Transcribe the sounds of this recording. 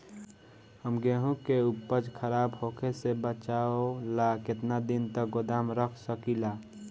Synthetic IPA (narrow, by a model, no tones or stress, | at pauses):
həmɡeɦũkeʊpːəd͡ʒkʰəɾaːbhoːkʰesebət͡ʃaolakɪt̪nad̪ɪnt̪ək̚ɡʊd̪aːmɾəkʰsəkilaː